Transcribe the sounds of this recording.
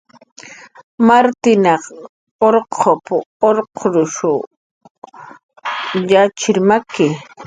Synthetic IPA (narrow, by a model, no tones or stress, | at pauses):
maɾt̪ɪnɑχ | oɾqʰopʊoɾqʰoɾʊʃʊ | ʎat͡ʃɪɾmakɪ